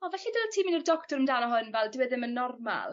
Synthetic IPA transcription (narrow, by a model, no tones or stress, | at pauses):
ɔvɛɬidəltʰiːminirdɔktɔɾəmdaːnɔɦʊnvɛlˠdɪwɛðɪmənːɔrma̰lˠ